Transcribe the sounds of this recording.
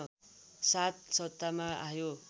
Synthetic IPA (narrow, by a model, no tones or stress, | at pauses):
sat̪sʌt̪ːamaʔajo